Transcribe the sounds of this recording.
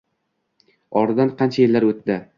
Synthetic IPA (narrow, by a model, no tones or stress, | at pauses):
ɒɾd̪anqʰɑnt͡ʃʰajelːaɾɵt̪ːd̪ɪ